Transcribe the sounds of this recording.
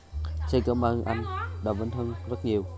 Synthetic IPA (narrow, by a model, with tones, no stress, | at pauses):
t͡ɕe˧nkəː˧mʔaː˧nʔa˧jŋ̟ɗa̰˨˩və˨˦nt̪ʰə˧nzə˦˥t̚ɲi˨˩əw